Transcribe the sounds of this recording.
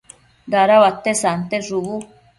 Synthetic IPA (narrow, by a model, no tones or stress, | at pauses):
daɾaβat̪ːesant̪eʐuβu